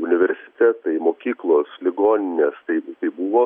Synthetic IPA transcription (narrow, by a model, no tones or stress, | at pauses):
ʊnʲɪʋʲɛɾʲsʲɪ̥t̪ʲæt̪ɐɪmoːkʲiːklˠoːslʲɪɡoːnʲɪnʲeːst̪ɐɪt̪ɐɪbuʋoː